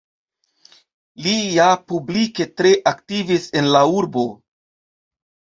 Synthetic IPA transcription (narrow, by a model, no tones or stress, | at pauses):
liapublike̞tɾe̞ʔaktivise̞nlauɾbo̞